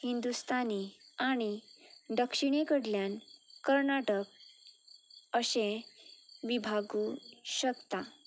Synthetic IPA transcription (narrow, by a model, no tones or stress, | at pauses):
hind̪ust̪aniaɽ̃iɖəkʂiɳ̃ekəɽljãnkəɾnaʈək̚ | əɕẽ | ʋibʱaɡuɕəkt̪a